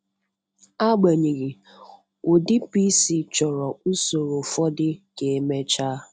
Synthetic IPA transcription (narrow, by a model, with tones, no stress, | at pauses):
a˦ɡ͡ba˨ɲi˨ɣi˨ | o˨dɪ˦pi˦si˨t͡ʃɔ˨ɾɔ˨u˦so˨ɾo˨fɔ˦dɪ˦ke˨˦me˦t͡ʃaː˦